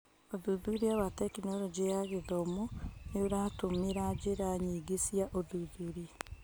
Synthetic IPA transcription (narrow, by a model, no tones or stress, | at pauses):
oðuðuɾiawatɛkinɔɾɔd͡ʑejaɣeðɔmɔneoɾaːtomeɾad͡ʑeɾaɲiɡesiaʔoðuðuɾi